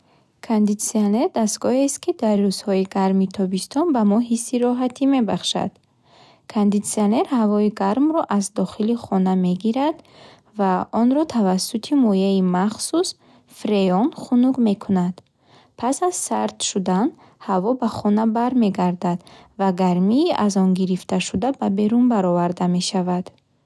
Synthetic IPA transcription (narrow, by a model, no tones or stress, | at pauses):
kʰond̪it̪siane̞ɾd̪ast̪ɡɔhest̪kʰid̪arːuz̥hɔiɡaɾmit̪ʰɔbist̪ʰɔnbamɔɦisːiɾɔɦat̪ʰime̞baχʃa̰d̪̥ | kʰond̪it̪sione̞ɾhavɔiɡaɾmɾɔʔazd̪ɔχiliχɔname̞ɡiɾad̪ | vaɔnɾɔt̪ʰavasːut̪ʰimɔjeimaχsus | fɾeɔnχunuɡme̞kʰunad̪̥ | pʰasaz̥saɾt̪ʃud̪an | havɔbaχɔnabaɾme̞ɡaɾd̪ad̪vaɡaɾmiːʔazɔnɡiɾift̪aʃud̪ababe̞ɾunbaɾɔvaɾd̪ameʃavad̪̥